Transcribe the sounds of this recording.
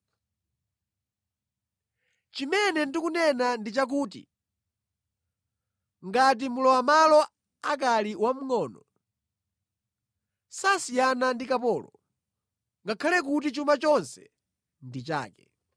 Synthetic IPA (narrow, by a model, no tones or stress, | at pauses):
t͡ʃimɛnɛndikunɛnandit͡ʃak̬uːtḭ | ŋɡat̬imulɔwamalɔ | akaliwam̩ŋɔːnɔ | sasijanandikapɔːlɔ | ŋɡakʰalɛk̬ut̬it͡ʃumat͡ʃɔnsɛ̥ | ndit͡ʃa̰ːkɛ